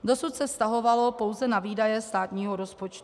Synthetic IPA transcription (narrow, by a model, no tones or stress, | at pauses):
do̞sut̪sɛfst̪aɦo̞valo̞po̞wzɛnaviːdajɛst̪aːt̪ɲiːɦoɾo̞spot͡ʃt̪u